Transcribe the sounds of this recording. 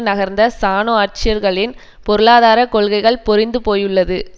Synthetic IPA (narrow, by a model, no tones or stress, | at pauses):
nɐɣɐɾnd̪ɐsaːnoːaːʈ̚t͡ʃɪjɐɾɣɐɭɪn | pɔɾɯɭaːðaːɾɐkɔɭɣɐɪɣɐɭpɔɾɪnd̪ɯpoːjɯɭːɐðɯ